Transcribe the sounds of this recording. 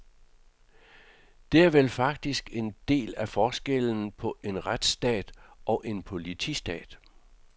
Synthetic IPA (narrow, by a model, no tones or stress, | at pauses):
d̥e̝æɐʋelfɑ̈ɡ̥̚d̥isɡ̥e̝nd̥e̝̰ːlæfɒːsɡ̥eln̩pʰɒ̽ʔe̝nʁad̥sd̥ɛ̰ːd̥ɒ̽ʔe̝npʰo̝lit͡sʰisd̥ɛ̰ːd̥